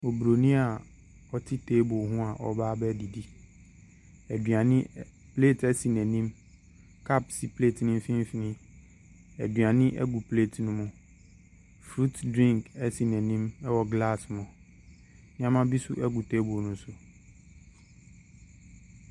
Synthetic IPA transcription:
o˨bɾo˨nĩ˦a˨ | ɔ˦tʰɪ˦tʰeː˦bo˨ɦũ˦a˨ʔɔ̰˨baː˦bɛ˦di˨di˦ | æ˨dɥa˨nɪ̃˦ | pʰleː˦˨tʰɛ˦si˨nɛ̃˨nĩ˦m | kʰa˦psi˨pʰle˦˨tnʊ̃˦m̩˦fĩ˦m˦fi˨nɪ̃˦ | æ̰˨dɥa˨nɪ̃˦ʔɛ̰˦ɡu˨pʰle˦˨tʰnʊ̃˦mʊ̃˨ | fɾu˦tdɾĩ˦ŋkɛ˦si˨nɛ̃˨nĩ˦mɛ˦wɔ˨ɡla˦˨smʊ̃˨ | nɪ̃˦ã˦mã˦bi˦sʊ̰˦ʔɛ˦ɡu˨tʰe˦bo˨nʊ̃˦sʊ˨

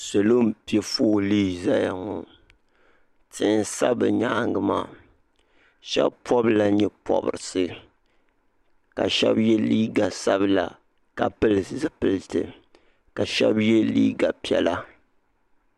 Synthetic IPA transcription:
so˨lo˦mpi˦ɛ˦fo˦liː˦za˦ja˨ŋɔ˨ | tʰɨ˦˨n˦sa˦bɨ˨ɲa˦˨ŋɡɨ˨ma̰ː˦˨ | ʃɛ̰˦bpɔ˦bla˨ɲɛ˦pʰɔ̰˦bɨ̰˨ɾɨ˨sɨ˦ | ka̰˨ʃɛ̰˦bjɛ˦liː˦ɡa˨sa˦bɨ˨la̰˨ | ka˨pɨ˦lɨ˨zɨ˦pɨ˨ltɨ˨ | ka˨ʃɛ̰˦bjɛ˦liː˦ɡa˨pi˦ɛ̰˨la˦

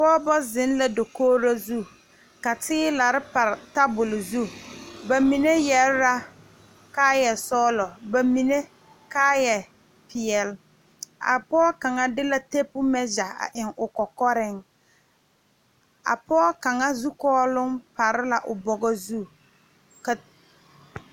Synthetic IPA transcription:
pɔː˦bɔ˦zɪ˨˦nla˨dɔ˨koː˦ɾa˦zu˦˨ | ka˨tɪː˦la˨ɾɪ˦pa˨ɾta˦bʊ˨lɪ˨zu˦˨ba˨mi˨ne˦jɛ˨ɾɾa˦ | kaː˦jɛ˨sɔː˦lɔ˨ba˨mi˨ne˦ | kaː˦jɛ˨ | pʰɪ˨ɛ˨l | a̰˨pɔː˦ka˨ŋa˦dɪ˦la˨te˦pʊ˦mɛ˦d͡ʒa˨a̰˨ʔɪ˨ŋʊ˨kɔ˨kɔ˦ɾɪ˦ŋ | a̰˨pɔː˦ka˨ŋa˦zu˦kɔː˦lʊ˦ŋpa˨ɾɪ˦la˨ʔʊ˨bɔ˨ɡɔ˦zu˦˨ | ka˨

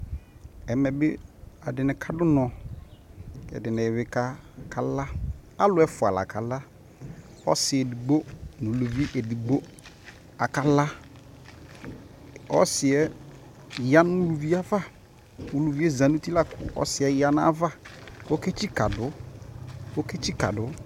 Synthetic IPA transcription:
ɛ˨mɛ˨bɪ˦a˨dɪ˨nɪ̃˨kʰa˨dʊ˦nɔ̃˨ | kɛ̰˨dɪ˨nɪ̃˨wɪ˨ka˦kʰa˨la˦a˦lʊ˦ɛ˦fʊ˨a˨la̰˨kʰa˨la˦ | ɔ̰˦sɪ˨ɛ˨di˨ɡ͡bo˦nũ˨lu˨vi˦ʔɛ˨di˨ɡ͡bo˦ | a˨ka˨la˦ | ɔ˦sɪ˨ɛ˦ | ja˦nʊ̃˦u˦˨lu˨vi˦a˦va˦ | u˨lu˨vi˦ɛ˦zã˨nũ˦ti˦la˦kʰʊ̰˨ʔɔ̰˦sɪ˨˦ɛ˦ja˦n˦a̰˦va˦o˦ke˦t͡ʃi˦ka˨dʊ˨˦ | o˦ke˦t͡ʃi˦ka̰˨dʊ˦

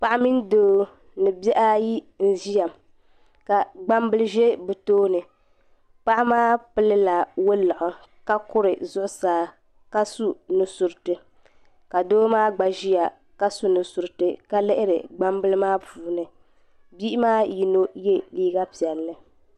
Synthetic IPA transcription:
pa˦ʔa˦mi˦ndoː˦ | nɨ˨bɛ˦ʔa˦ji˦n̩˨ʒi˦ja˨m | ka˨ɡ͡ba˦mbɨ˦lɨ˦ʒe˦bɨ˨toː˦nɨ˨ | pa˦ʔa˦maː˦pɨ˦lɨ˦la˨wʊ˦la˨ʔʊ˨ | ka˦kʊ˦ɾɨ˨zʊ˦ʔʊ˦saː˨ | ka˦su˦nɨ˨su˨ɾtɨ˨ | ka˨doː˦maː˦ɡ͡ba˨ʒi˦ja˨ | ka˦su˦nɨ˨su˨ɾɨ˨tɨ˨ka˦lɛ˦ʔɪ˦ɾɨ̰˨ɡ͡ba˦mbɨ˦lɨ˦maː˦puː˨nɨ˨ | bi˦maː˦ji˦no˦je˦liː˦ɡa˦pi˨ɛ˨lːɨ˨

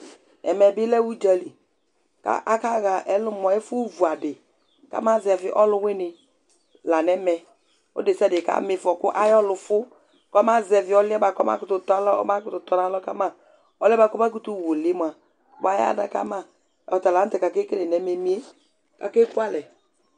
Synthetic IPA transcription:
ɛ˨mɛ˨bɪ˦lɛ˦wu˦d͡ʒa˨li˨ | ka̰˨ʔa˦ka˦ɣa˨ʔɛ˨lʊ˦˨mɔ˨ɛ˦fʊ˦vu˨a˨dɪ˨ | ka̰˦ma˦˨zɛ˨vɪ˨˦ʔɔ˦lʊ˦wɪ˦nɪ˨ | la˨nɛ˦mɛ˨ | o̰˦de˨sa˦˨dɪ˨ka̰˨˦mɪ˨fɔ˨kʊ˦ʔa˦jɔ˦lʊ˨fʊ˦ | kɔ˦ma˦zɛ˨vɪ˨˦ɔ˦lɪ˦ɛ˦ba˨kɔ˦ma̰˦kʊ˨˦tʊ˨ta˦lɔ̰˦ba˦kʊ˦tʊ˨tɔ˨na˦lɔ˦ka˦ma˦˨ | ɔ˨lba˦kɔ˦ba˦k̬u˦tu˦˨wo˨lɪ˦m˨a˨ | ɔ˨ba˦ja̰˦da̰˨ka̰˦ma˦˨ | ɔ˨ta˨la˨˦n̩˦tɛ˨ka˨ke˦ke˦le˨nɛ˨me˨mi˦e˦ | ka˨ke˦ku˦a˦lɛ˨

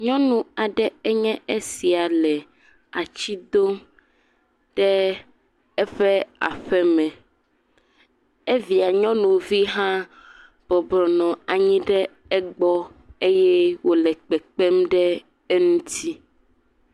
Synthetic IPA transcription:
ɲɔ̃˦nũ˨a˨ɖɛ˦ɛ˦ɲɛ̃˦ʔe˦si˨a˨lɛ˨ | a˨t͡ɕi˦d̪o˦m | ɖ̥ɛ˦ | ɛ˦ɸɛ˦a̰˨ɸɛ˦mɛ̃˨ | e˦vi˨a˨ɲɔ̃˦nũ˨vi˦ɦã˦ | b̥ɔ˨blɔ˨nɔ̃˨a˨ɲĩ˦ɖɛ˦ | ɛ˦ɡ͡bɔ˦e˦jɛ˦wo˦lɛ˨k͡pɛ˨k͡pɛ˦mɖɛ˦ | ɛ˦nũ˦t̪i˦

